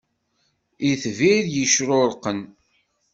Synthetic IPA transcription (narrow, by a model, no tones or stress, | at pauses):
iθviɾjəʃɾʊɾqːən